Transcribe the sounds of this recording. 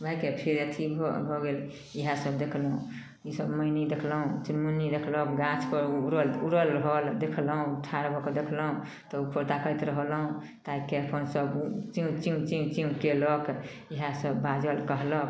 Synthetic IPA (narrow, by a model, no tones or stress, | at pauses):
bʱəjkepʰeɾjət̪ʰib̰ʱbʱɔɡel | iɦasəbd̪ekʰlɦũ | isəbməjnid̪ekʰlɦũt͡ʃnmunid̪ekʰləkɡãt͡ʃʰpəɾuɾəluɾəlɾəɦəld̪ekʰləɦũʈʰaɾbʱɔked̪ekʰləɦũ | t̪ɔupʰəɾt̪akəjt̪ɾəɦəlɦũ | t̪aikeəpʰənsəbt͡ʃit͡ʃĩt͡ʃit͡ʃĩkelək | iɦasəbːad͡ʒəlkəɦlək